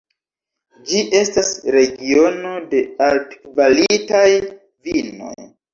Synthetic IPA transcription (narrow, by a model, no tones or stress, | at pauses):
d͡ʒiʔe̞stasɾe̞ɡio̞no̞de̞altkvalitaj | vino̞̰j